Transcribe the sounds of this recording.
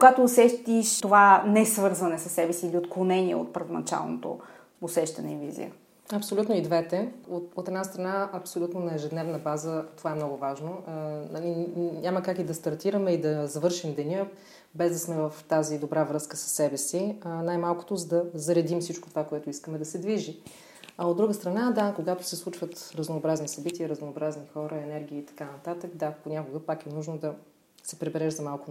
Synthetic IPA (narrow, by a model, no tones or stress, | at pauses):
koɡat̪oːsɛʃt̪iʃt̪ovanɛsvɤɾzvənɛsɐsːɛbɛsiːliot̪klˠonɛniɛ̰o̰t̪̚pəɾvonɐt͡ʃa̰lˠno̰t̪o̰ | ʊsɛʃt̪ɐnɛivḭzḭjə̰ | ɐpsolʲut̪noid̪vɛt̪ɛot̪ot̪ɛd̪nast̪ɾɐnaɐpsolʲut̪nonɐɛʒɛd̪nɛvnəbazət̪ovaɛmnɔɡʊvaʒnonɐliɲʲaməkakid̪ɐst̪ɐɾt̪iɾɐmɛid̪ɐzɐvɤɾʃimd̪ɛnʲə | bɛzd̪ɐsmɛvəft̪azid̪obɾavɾɤskə̥sə̥sːɛbɛsinajmalˠkʊ̥t̪ozəd̪ɐzɐɾɛd̪imsit͡ʃko̥t̪ovakoɛt̪ʊiskəmɛd̪ɐsɛd̪viʒi | ɐod̪ɾuɡəst̪ɾɐnad̪akoɡat̪ʊ̥sɛslˠut͡ʃvət̪ɾəznoːbɾaznisɐbit̪iəɾəznoːbɾaznixɔɾəɛnɛɾɡ̟iiːt̪ɐ̥kanɐt̪at̪əkd̪aponʲakʊɡəpakɛnuʒnod̪ɐ | sɛpɾɛbɛɾɛʒzɐmalˠkʊ